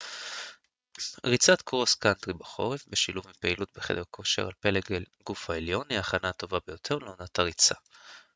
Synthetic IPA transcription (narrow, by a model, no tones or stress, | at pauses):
ʁit͡sat̪kʁoskantʁibaχo̞̰ʁefbeʃiluvmipeilut̪̚beχḛd̪eʁkʰo̞ʃe̞̰ʁalpe̞leɡel | ɡ̥ufaeljo̞niaχanat̪o̞vabejo̞tʰe̞ʁleonat̪ʰaʁit͡sa̰